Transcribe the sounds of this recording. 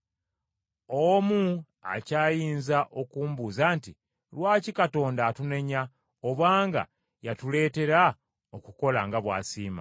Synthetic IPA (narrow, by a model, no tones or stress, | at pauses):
omu | a̰caːjiːnzaʔo̞kuːmbuzanti | lwaːcikato̞ːndaːtune̞ɲa | oβaːŋɡa̰ | jatule̞ːte̞ɾa | okuko̞laŋɡaβwa̰ːsiːma̰